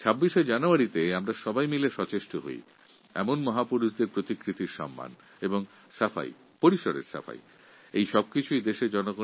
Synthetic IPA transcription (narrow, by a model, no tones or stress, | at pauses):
t͡ɕʰabːiʃed͡ʑanoaɾit̪eamɾaʃɔbajmileʃɔt͡ɕeʃʈoɦo̰j̰ | ɛ̰monmɔɦapuɾuʃd̪eɾpɾot̪ikɾit̪iɾʃɔ̰mːa̰n | eboŋ | safa̰j̰ | poɾiʃoɾḛɾsa̰fa̰j̰ | ejʃɔb̚kit͡ɕʰuid̪eʃeɾd͡ʑɔnoɡo